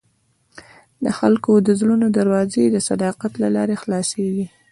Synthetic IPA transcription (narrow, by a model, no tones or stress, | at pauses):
ləxalkod̪əzlunod̪aɾwɑzed̪əsad̪ɑqat̪lalɑɾexlɑseɡi